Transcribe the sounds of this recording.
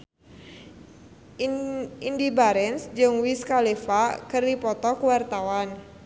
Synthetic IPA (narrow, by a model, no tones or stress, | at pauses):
indibaɾɛnsd͡ʒɨŋwiskalifakərdipɔt̪ɔkuwart̪awan